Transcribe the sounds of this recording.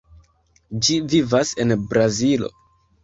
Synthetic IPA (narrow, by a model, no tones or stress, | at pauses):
d͡ʒivivase̞nbɾazilo̞̰